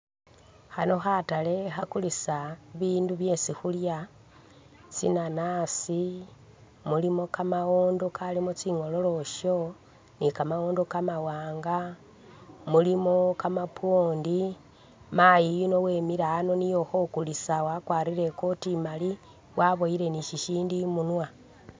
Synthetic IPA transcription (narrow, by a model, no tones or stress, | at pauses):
xano̞xatale̞xakulisaβiːnduβje̞sixulja | t͡sḭnanasi | mulimo̞kamaoːndo̞kʰalimot͡siŋo̞lo̞lo̞ʃo̞ | nikamawoːndo̞kamawaːŋɡa | mulimo̞kamapwoːndi | majijino̞weːmiɾaːno̞nijo̞xo̞kulisawakwaːɾiɾe̞kotimali | wʔaβo̞iɾe̞niʃiʃiːndimunwa